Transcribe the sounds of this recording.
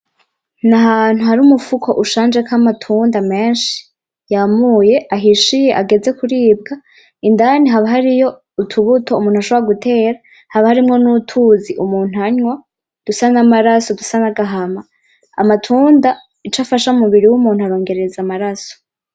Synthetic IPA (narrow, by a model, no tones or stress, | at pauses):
naɦaːn̥huɦaɾumufukʰo̞ʔuʃaːnd͡ʒekʰamatʰuːndame̞ːnʃi̥ | jamuje̞ʔaɦiʃije̞ʔaɡe̞ze̞kuɾiːb̚ɡa | indaniɦaβaɦaɾijo̞ | utʰuβutʰo̞umuːn̥uhaʃoβoɾaɡutʰe̞ːɾa | haβahaɾimŋo̞nutʰuziʔumuːn̥uaɲwa | d̥usanamaɾasodusanaɡaɦama | a̰matʰuːnda | it͡ʃafaʃaumuβiɾiwumuːn̥huaɾo̞ːŋɡe̞ɾe̞zamaɾaso̥